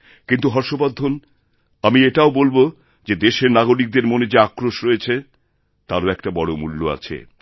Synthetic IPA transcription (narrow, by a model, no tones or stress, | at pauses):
kint̪uɦɔɾʃobad̪ʱːon | amieʈaobolbo | d͡ʑed̪eʃeɾnaɡoɾik̚d̪eɾmoned͡ʑeakɾoʃɾoet͡ɕʰe | t̪aɾoɛkʈabɔɽomulːoa̰t͡ɕʰḛ